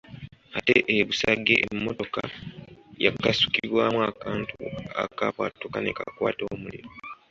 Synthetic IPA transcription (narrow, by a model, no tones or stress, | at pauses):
ate̞ʔeβusaɡːe̞ʔemːoto̞ka | jakːasu̥kiβwaːmuakaːntuakapwatːokane̞kakwaːto̞ːmuliɾo